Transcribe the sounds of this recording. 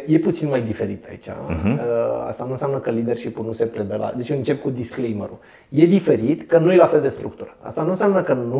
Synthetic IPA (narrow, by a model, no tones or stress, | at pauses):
je̞put̪sinmajd̪ife̞ɾit̪a̰it͡ʃa̰ | a̰st̪anũnsjamnəkəlid̪e̞rʃipulnuse̞pɾe̞d̪əla̰d̪e̞t͡ʃɨnt͡ʃe̞p̚kud̪isklejmeɾṵ | je̞d̪ife̞ɾit̪kənujelafe̞ld̪e̞st̪ɾuk̚t̪uɾat̪a̰st̪anunsjamnəkənu